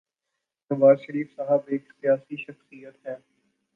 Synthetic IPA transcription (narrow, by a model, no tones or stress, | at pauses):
nɐʋaːzʃəɾiːfsaːɦəbeːksijaːsiʃɐxsijət̪ɦɛː